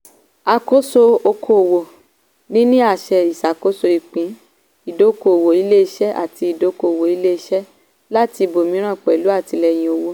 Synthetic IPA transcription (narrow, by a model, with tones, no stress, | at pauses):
a˧ko˦so˧o˧kʰo˧˨wo˨ | nĩ˦nĩ˦a˦˨ʃɛ˧i˨sa˨ko˨˦so˧i˨k͡pĩ˨˦ | i˦˨do˨˦ko˨o˨wo˨i˨˦le˦i˧ʃɛ˦ʔa̰˦˨ti˧i˨do˨˦ko˧˨o˨wo˨i˨˦le˦i˧˦ʃɛ˦ | la˦ti˧bo˨mĩ˨˦ɾ̃ã˦˨k͡pɛ˨lu˨˦a˦˨ti˧lɛ˧j̃ĩ˨o˧wo˦